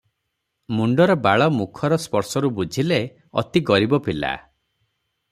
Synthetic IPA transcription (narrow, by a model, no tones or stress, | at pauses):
muɳɖɔɾɔbaɭɔmukʰɔɾɔspɔɾsɔɾubud͡ʒʱile | ɔ̰t̪iɡɔɾibɔpila̰